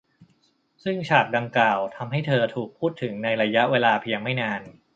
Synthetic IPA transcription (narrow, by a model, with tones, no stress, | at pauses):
sɯ˥˩ŋt͡ɕʰaː˨˩p̚da˧ŋklaː˨˩wt̪ʰa˧mɦa˥˩jt̪ʰɤː˧t̪ʰuː˨˩k̚pʰuː˥˩t̪ʰːɯ˩˦ŋna˧jɾa˧ja˦˥ʔweː˧laː˧pʰi˧əŋma˥˩jnaː˧n